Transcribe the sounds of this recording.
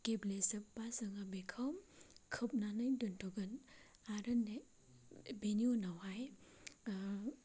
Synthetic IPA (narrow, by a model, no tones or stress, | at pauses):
keblesɐp̚bazɯŋabekʰawmkʰɯp̚nanɯjdɯntʰɔɡɯn | aɾɯnːe | beniunawaj